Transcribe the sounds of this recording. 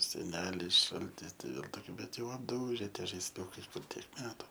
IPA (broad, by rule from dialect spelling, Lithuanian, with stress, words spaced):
sʲɛˈnʲæːlʲɪs ˈʃɐlʲtʲɪs tɐɪ ˈʋʲeːlˠ toːˈkʲuː bʲɛt jɛʊ ɐbˈduːʒʲɛ ˈtʲiɛ ʒɐɪsʲˈʊkɐɪ ˈkʊr tʲiɛk ˈmʲæːtʊ